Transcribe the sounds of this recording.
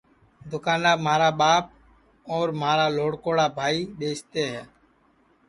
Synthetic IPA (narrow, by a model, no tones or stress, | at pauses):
d̪ʊkaːnaːmaːɾaːɓaːp̚ | ɔːɾmaːɾaːloːɽkoːɽaːbʱaːiːɗeːst̪eːɦɛː